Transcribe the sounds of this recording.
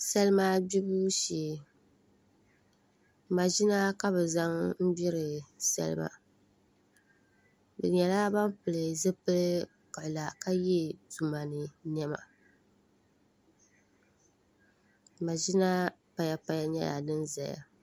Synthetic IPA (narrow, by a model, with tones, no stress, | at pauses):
sɛ˦lɨ˦maː˦bi˦bu˦ʃi˨ | ma˨ʒi˦na˦ka˦bɨ˨za˦ŋm̩˦bi˦ɾɨ˨sɛ̰˦lɨ̰˦ma̰˨ | bɛ̰˨ɲɛ˨la˦ba˦mpɨ˨lɨ˨zɨ˦pɨ˦lɨ˦ | ka˨ʔla˨ka˦ji˦˨tu˨ma˨nɨ˨nɛ˦ma̰˨ | ma˨ʒi˦na˦pa˨ja˨pa˨ja˦ɲɛ̰˦ja̰˨dɨ˦nza̰˨ja̰˨